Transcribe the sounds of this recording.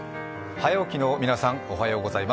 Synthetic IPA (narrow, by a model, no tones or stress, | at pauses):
hajaokʲinoːmʲinasãŋoɦajo̞ːɡo̞zaima